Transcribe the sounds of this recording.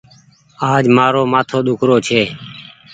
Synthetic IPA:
aːd͡ʒmaːɾoːmaːt̪ʰoːɗ̪ʊkʰɾoːt͡ʃʰeː

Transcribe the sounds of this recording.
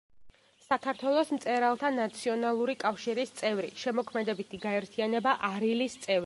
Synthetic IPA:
sakʰaɾt̪ʰwɛlˠɔsm̩t̪sʼɛɾalˠt̪ʰanat̪sʰiɔnalˠuɾikʼafʃiɾist̪sʼɛvɾiʃɛmɔkʰmɛd̪ɛbit̪ʰiɡaɛɾt̪ʰianɛbaʔaɾilist̪sʼɛvɾi

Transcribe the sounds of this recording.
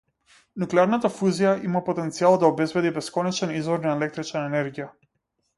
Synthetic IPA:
nuklɛaɾnat̪afuzijaʔimapɔt̪ɛnt̪sialˠd̪aɔbɛzbɛd̪ibɛskɔnɛt͡ʃɛnizvɔɾnaɛlɛk̚t̪ɾit͡ʃnaɛnɛɾɡija

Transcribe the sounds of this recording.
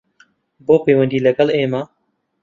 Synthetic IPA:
boːpeːwɐnd̪iːlɐɡɐleːma

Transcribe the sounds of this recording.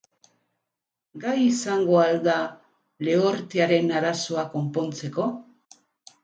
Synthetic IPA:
ɡajisaŋɡo̞ald̪a | le̞oɾt̪eaɾe̞naɾaso̞ako̞mpo̞nt͡se̞ko̞

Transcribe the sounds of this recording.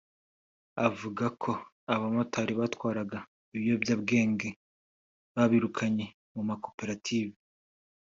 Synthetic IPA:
avuɡakʰo̞ | aβamotaːɾiβatwaːɾaɡa | iβijo̞bjaːbɡe̞ːŋɡe̞ | βaβiɾukʰaɲe̞ | mumako̞pe̞ɾatʰiːvi

